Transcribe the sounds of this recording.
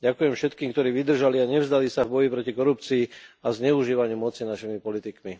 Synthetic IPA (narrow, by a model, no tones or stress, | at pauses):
ɟakujɛmfʃɛt̪kiːmkt̪ɔɾiːʋid̪r̩ʒaliaɲɛvzd̪alisavbɔjipɾɔcikɔɾup̚t͡siːazɲɛuʒiːʋaɲɪumɔt͡sinaʃimipɔlit̪ikmi